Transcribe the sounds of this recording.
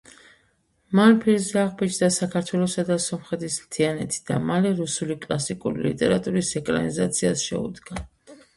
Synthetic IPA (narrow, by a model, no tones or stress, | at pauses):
manpʰiɾzaʁbit͡ʃʰd̪asakʰaɾt̪ʰwɛlˠɔsad̪asɔmχɛt̪ʰismt̪ʰianɛt̪ʰi̥d̪̥amalɛɾusulikʼlˠasikʼuɾilḭt̪ʼɛɾat̪ʼuɾisɛkʼɾa̰nizat̪sʰiasʃɛ̰ṵd̪ɡa